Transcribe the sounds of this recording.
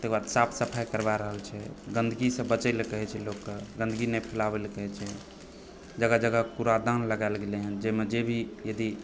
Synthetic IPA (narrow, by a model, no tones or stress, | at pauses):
t̪ekbad̪sapʰsəpʰajkəɾbaɾəɦəlt͡ʃʰɛɡə̃nd̪ʱəɡisə̃bət͡ʃəlkəɦɛt͡ʃʰɛlokːəɡə̃nd̪ɡinɛpʰilabelkəɦɛt͡ʃʰɛ | d͡ʒəɡad͡ʒəɡakuɾad̪anləɡaelɡeleɦənd͡ʒemed͡ʒebʱijəd̪i